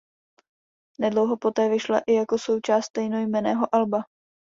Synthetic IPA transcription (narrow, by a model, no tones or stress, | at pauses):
nɛdlo̞wɦo̞po̞t̪ɛːvɪʃla̰ʔɪjako̞so̞wt͡ʃaːst̪t̪ɛjno̞jmɛnɛːɦo̞ʔalba